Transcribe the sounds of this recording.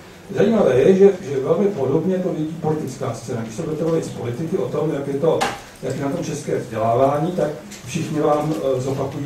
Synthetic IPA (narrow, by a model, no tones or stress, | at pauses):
zajiːmavɛːjɛʒɛʒɛvɛlmɪpo̞do̞bɲɛt̪o̞vɪjɛɟiːpo̞lɪt̪ɪt͡skaːst͡sɛːnaɡdɪʃsɛbudɛt̪ɛvovɪt̪spo̞lɪt̪ɪkɪʔo̞t̪o̞mjakjɛt̪o̞ | jakjɛnat̪o̞mt͡ʃɛskɛːvzɟɛlaːvaːɲiːt̪ak | fʃɪxɲɪvaːmzo̞pakujiː